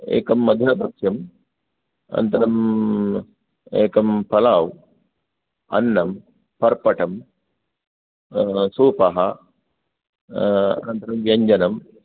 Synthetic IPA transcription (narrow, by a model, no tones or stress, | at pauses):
ḛːkɐmːɐd̪ʱjɐd̪ɐkʂjɐm | ɐ̰nt̪ɐɾɐm | eːkɐmpɐlaːw | ɐ̰nːɐm | pɐɾpɐʈɐm | suːpɐɦɐ | ɐnt̪ɐɾɐmʋjɐɲd͡ʒɐnɐm